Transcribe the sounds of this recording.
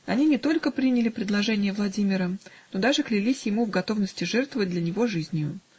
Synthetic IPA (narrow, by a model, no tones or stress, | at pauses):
ɐnʲinʲɪt̪o̞lʲkəpɾʲinʲɪlʲɪpɾʲɪd̪lˠɐʐɛnʲɪjəvlˠɐdʲimʲɪɾənod̪aʐɨklʲɪlʲisʲjɪmuvɡɐt̪o̞vnəsʲtʲɪʐɛrt̪vəvət̚ʲd̪lʲɐnʲɪvo̞ʐɨzʲnʲjʊ